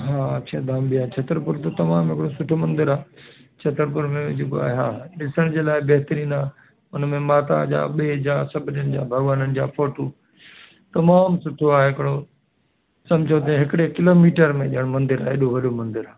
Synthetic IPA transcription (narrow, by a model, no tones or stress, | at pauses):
ɦaːt͡ɕʰɐːd̪aːmbijaːt͡ɕʰɐt̪əɾpʊɾt̪ot̪ɐmaːmɦɪkɪɽosʊʈʰomɐ̃nd̪ɪɾaːt͡ɕʰɐt̪əɾpʊɾmẽd͡ʑekoa̰ːɦeɦa̰ːɗɪsəɽ̃d͡ʑeːlaːɪbɐɦɪt̪əɾiːnaː | ʊnmẽmaːt̪a̰d͡ʑa̰ːɓied͡ʑaːsɐbʱɪnənɪ̆d͡ʑa̰ːbʱɐɡʋaːnənɪ̆d͡ʑa̰ːfoːʈoː | t̪ɐmaːmsʊʈʰoaːɦeɦɪkɪɽo | sɐ̃md͡ʑʱot̪̬ɐ̃ɦɪkɪɽekɪloːmiːʈəɾmẽɗiəɽ̃mɐ̃nd̪ɪɾa̰ːɦeɗoʋɐɗomɐ̃nd̪ɪɾaː